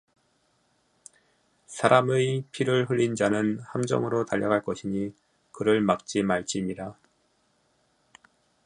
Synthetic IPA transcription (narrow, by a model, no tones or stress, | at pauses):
sʰaɾamɯjpʰiɾɯɭɦɯɭʎːind͡ʑanɯnhamd͡ʑʌ̰ŋɯɾotaʎːʌɡaɭk͈ʌɕʰiɲi | kɯɾɯɭmak̚t͡ɕ͈imaɭt͡ɕ͈imida